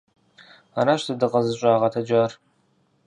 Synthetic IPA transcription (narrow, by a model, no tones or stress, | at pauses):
a̰ɾaʃtɐdɨqʼɐzɨɕʷʼaːʁɐtʰɐd͡ʒaːr